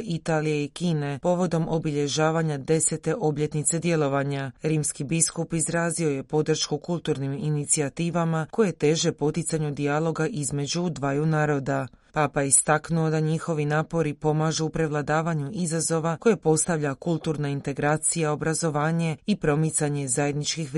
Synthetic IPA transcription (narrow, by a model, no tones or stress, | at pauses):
it̪aːlije̞ikiːne̞po̞ʋo̞d̪o̞mʔo̞biʎe̞ʒaːʋaɲad̪e̞se̞t̪e̞ʔo̞bʎe̞t̪nit̪se̞d̪je̞lˠo̞ʋaɲaɾiːmskibiskupizɾaːzio̞je̞po̞d̪r̩ʃkukulˠt̪uːɾniminit̪siat̪iːʋamako̞je̞t̪e̞ːʒe̞po̞t̪it̪saɲud̪ialo̞ɡaʔizme̞d͡ʑud̪ʋajunaːɾo̞d̪apaːpajeist̪aknuo̞d̪aɲixo̞ʋinaːpo̞ɾipo̞maʒuupɾe̞ʋlˠad̪aːʋaɲuizazo̞ʋako̞je̞po̞st̪aʋʎakulˠt̪uɾnaint̪e̞ɡɾaːt̪sijao̞bɾazo̞ʋaːɲe̞ipɾo̞mit̪saɲe̞zaje̞d̪nit͡ʃkix